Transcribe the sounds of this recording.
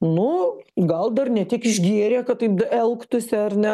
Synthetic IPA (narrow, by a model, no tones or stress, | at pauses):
nʊɡɐlˠd̪ɐrnʲɛt̪ʲiɛkɪʒʲɡʲiɛɾʲeːkɐt̚t̪ɐɪp̪ɐɛlˠkt̪ʊsʲɪɐrnʲɛ